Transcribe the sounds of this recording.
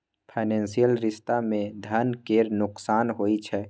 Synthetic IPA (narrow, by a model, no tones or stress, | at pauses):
pʰaːɪnɛ̃ːnsijəlɾɪst̪amẽd̪ʱənkeːɾnʊksaːnɦoːit͡ʃʰɛ